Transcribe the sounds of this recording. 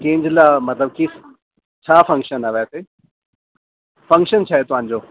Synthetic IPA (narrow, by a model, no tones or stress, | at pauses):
kẽːɲd͡ʑɪlamɐt̪ləb̚kis | t͡ɕʰaːfɐ̃ŋkʃənaːʋeaseː | fɐ̃ŋkʃənt͡ɕʰaːɦet̪ʊʋɦãːɲd͡ʑoː